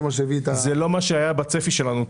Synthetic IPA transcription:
masevit̪azelo̞maʃeajabat͡sefiʃe̞lanu

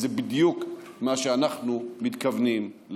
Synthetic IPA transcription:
zebid̪jukmaʃeanaχnumit̪kavniml

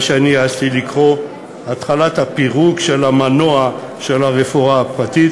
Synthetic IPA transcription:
ʃeanijaastilikʁo̞ | atχalathapiʁukʃe̞lamanoa | ʃe̞laʁefoaːpʁatit

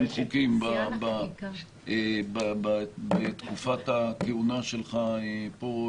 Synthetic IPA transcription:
mχukimbaba | ebababet̪kufat̪akeunaʃelχaepo

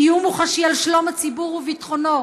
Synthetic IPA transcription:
ijumuχaʃialʃlo̞mat͡sibuʁuvitχono̞

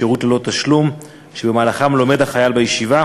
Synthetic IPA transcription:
eʁutlelo̞t̪aʃlum | ʃebemaːlaχamlo̞me̞dhaχajalbejeʃiva

